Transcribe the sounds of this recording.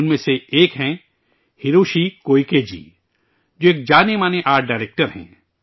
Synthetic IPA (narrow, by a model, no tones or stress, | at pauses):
ʊnmẽseeːkɦɛ̃ | hɪɾuːʃikoːiked͡ʒḭː | d͡ʒoːeːk̚d͡ʒaːnemaːneʔaːɾʈ̚ɖaːɾeːk̚ʈəɾɦɛ̰̃ː